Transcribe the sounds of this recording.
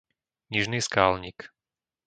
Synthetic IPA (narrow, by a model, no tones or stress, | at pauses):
ɲiʒniːskaːlɲik